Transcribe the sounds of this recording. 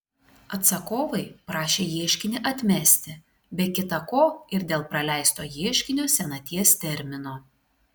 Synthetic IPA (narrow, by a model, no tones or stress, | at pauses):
ɐt̪sɐkoːʋɐɪpɾɑːʃʲeːjiɛʃʲkʲɪnʲɪʔɐt̪ʲmʲɛsʲt̪ʲɪ | bʲɛkʲɪt̪ɐkoːɪɾd̪ʲeːlˠpɾɐlʲæˑɪst̪oːjiɛʃʲkʲɪnʲoːsʲɛnɐt̪ʲiɛst̪ʲɛɾʲmʲɪnoː